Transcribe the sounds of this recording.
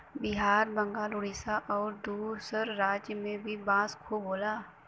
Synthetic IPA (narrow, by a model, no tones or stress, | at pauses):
bɪɦaːɾbə̃ŋɡaːlʊɽiːsaʔɔːɾd̪uːɾsəɾːaːd͡ʒjəmẽbʱibãːskʰoboːlaː